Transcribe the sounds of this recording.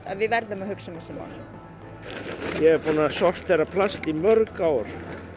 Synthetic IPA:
ɛnvɪðvɛɾðʏmahʏksamɛsɛma̰l | jɛɣɛɾpunasɔr̥t̪θɛrːapʰlast̪imœɾkawɾ̥

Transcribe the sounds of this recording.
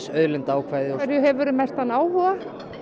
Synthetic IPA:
sœðlʏnt̪aːwkʰvajðɪɔɛɾjʏɦɛvʏɾʏmɛst̪hanːaːwhɔɣa

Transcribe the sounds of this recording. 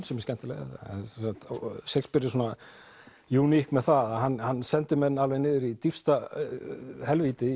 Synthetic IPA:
nsɛm̥scɛn̥t̪ɪlɛ̰ɣa̰sɛsakt̪sekspɪɾɪsuːna | juːnihkmɛðθaðaðɦanːhanːsɛnt̪ʏmɛnːalvejnɪːðʏɾit̪ifst̪a | hɛlvit̪ɪ

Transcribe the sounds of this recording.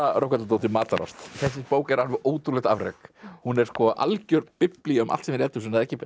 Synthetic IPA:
ɾowkat̪lat̪oːwt̪ɪmaːt̪aɾɔ̰st̪θɛs̬ːɪspoːwkɛɾalvɪʔoːwt̪ulɛht̪a̰vɾḛkhunɛɾ̥skɔʔa̰lcœɾt̪pɪpliʏmʔa̰lt̪siːnɪɾɛːt̪ʏsɛnaðɛhcɪ

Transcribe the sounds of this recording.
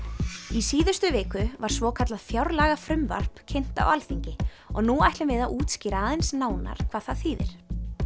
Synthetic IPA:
isiːðʏst̪ʏvɪːkʏvaɾ̥svɔːkʰat̪laðfjawɾlaɣafɾʏmva̰r̥pcʰen̥t̪a̰walθiɲcɪ | ɔɣnuajht̪lɪmvɪðauːt̪sciːɾaaːðɛnsnaːwna̰ɾ̥kʰvaːðθaðθiːðɪ̰ɾ̥

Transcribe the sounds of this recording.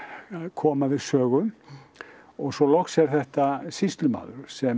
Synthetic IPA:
kʰɔːmavɪðsœːɣʏn | ɔɣsɔlɔxsɛɾ̥θɛht̪asist̪lʏma̰ːðʏɾ̥sɛm

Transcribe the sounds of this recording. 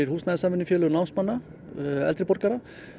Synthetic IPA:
ɪɾhuːsnaðsamʏnːɪfjɛːlʏnawnsmanːa | ɛ̰lt̪ɾɪpɔɾkaɾa

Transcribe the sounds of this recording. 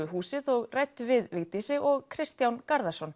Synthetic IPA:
ʏɦuːsɪðɔɣrɛjt̪ːvɪðvɪɣt̪isɪʔɔɣkʰɾɪst̪jawnkaɾðasɔn

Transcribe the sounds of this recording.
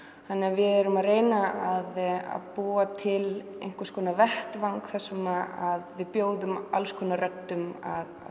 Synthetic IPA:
θanːɛavɪðɛɾʏmaðreːjnaaða̰ðpuːat̪ʰɪlḛjŋ̥kʏɾ̥skʰɔːnavɛht̪vawŋkθɛsːʏmaaðvɪðpjoːwðʏmalskʰɔːnːarœt̪ːʏma̰ð

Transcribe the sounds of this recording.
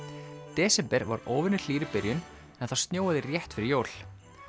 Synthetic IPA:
t̪ɛːsɛmpɛɾva̰ɾoːwvɪnʏ̥l̥iːɾɪpɪɾjʏn | ɛnθḁst̪njoːwaðɪrjɛht̪fɪɾɪɾjoːwl̥

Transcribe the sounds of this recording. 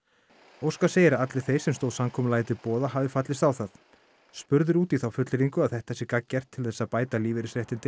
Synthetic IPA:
owskḁseːjɪɾaat̪lɪ̥θejɾ̥sɛmst̪oːwðsamkʰɔmʏlaːjt̪ɪpɔːðahavɪfat̪lɪst̪awθaθ | spʏɾðʏɾuːt̪iθawfʏt̪lɪɾiŋkʏaðθɛht̪ḁɛsːɪkacːɛr̥t̪ʰːɪlθɛsːapaːjt̪aliːvɪɾɪsɾeht̪ɪnt̪ɪ

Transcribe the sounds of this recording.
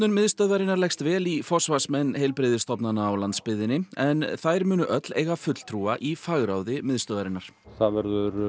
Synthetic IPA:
nʏnmɪðst̪œðvaɾɪnːaɾlɛjxst̪vɛːlifɔsvasmɛnːhejlpɾɪðɪst̪ɔpnanaːwlant̪spɪðɪnːɪɛnθajɾmʏːnʏʔœt̪leːjɣafʏt̪l̥t̪ʰɾuːaʔifaɣɾaːwðɪmɪðst̪œðaɾɪnːaɾ̥ | θaðvɛɾðʏɾ

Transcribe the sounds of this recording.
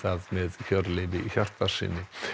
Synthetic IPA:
θaðmɛðçœɾleːvɪiçar̥t̪ḁsɪ̰nːɪ

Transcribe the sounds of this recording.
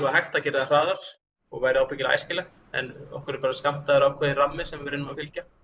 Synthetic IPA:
aɦajxt̪acɛːɾɪðar̥aːðaɾ̥ | ɔɣvaːjɾɪawpʰɛcɪla̰jscɪlɛxt̪ | ɛ̰nɔ̰hkʏɾʏpaːɾaskam̥t̪aðɪɾawkʰvɛːðɪramːɪsɛmvɪvɾɪnːʏmafɪlca

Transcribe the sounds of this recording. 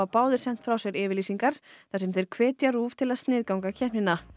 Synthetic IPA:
apaːwðɪɾ̥sɛn̥t̪fɾawsɛɾɪːvɪɾliːsiŋkaɾ̥θasɛmθɛjɾ̥kʰvɛːt̪jaɾuːv̥t̪ʰɪlaðst̪nɪːðkawŋkacʰɛhnɪna

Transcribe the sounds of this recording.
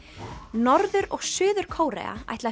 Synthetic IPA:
nɔɾðʏɾɔɣsʏːðʏɾ̥kʰoːwɾɛ̰a̰a̰jt̪la

